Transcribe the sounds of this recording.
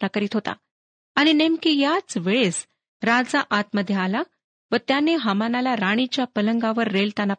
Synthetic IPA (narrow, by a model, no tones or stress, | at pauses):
nakəɾiːt̪ɦot̪a̰ː | ɽ̃inemkijat͡sʋeɭes | ɾad͡zaʔat̪məd̪ʱjaala | ʋət̪janːeɦamanalaɾaɽ̃it͡ɕjapələŋɡaʋəɾːelt̪janːa